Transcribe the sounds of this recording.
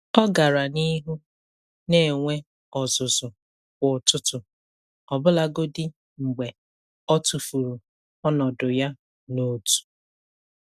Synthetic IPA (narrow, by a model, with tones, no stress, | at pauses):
ɔ˦ɡa˨ɾa˨ni˦ɦu˦ | ne˨e˨ŋʷe˦ | ɔ˨zʊ˨zʊ˨ | kʷʊ˨tʊ˦tʊ˨ | ɔ˨bʊ˦la˦ɡo˦dɪ˦ | ŋ͡m̩˨ɡ͡be˨ | ɔ˦tu˨fu˨ɾu˨ | ɔ˦nɔ˨dʊ˨ja˦ | no˦tu̥˨